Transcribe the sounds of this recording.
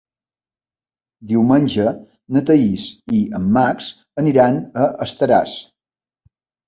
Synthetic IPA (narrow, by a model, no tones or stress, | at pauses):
d̪iwmənʲʒə | nət̪əisiəmːaks | əniɾanəʔəst̪əɾa̰s